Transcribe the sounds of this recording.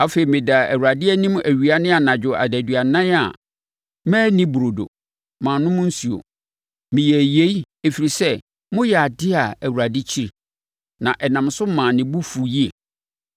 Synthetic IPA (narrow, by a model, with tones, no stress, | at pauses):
a˦fe˨i˨mɪ̃˨da˨æ̰˨wu˨ɾa˨dɪ˦ɛ˦nĩ˦m˦ʔæ˨ɥi˨a˨nɪ̃˦a˨nã˨d͡ʑᶣʊ˨a̰˨dæ˨dɥa˨nã˦a̰˨ | mæ̃ː˦nĩ˦bu˨ɾo˨do̰˨ | mãː˨nʊ̃˦mʊ̃˦n̩˦su˨o̰˨ | mɪ̃˨jɛ˨je˦i˦ | e˨fi˨ɾi˨sɛ˦ | mʊ̃˦jɛ˨a˨dɪ˦a˨æ˨wu˨ɾa˨dɪ˦t͡ɕʰi˦ɾi˨ | nã̰˨ʔɛ˨nã˨msʊ˦mã˨nɪ̃˨bu˦fu˨ji˦ḛ˨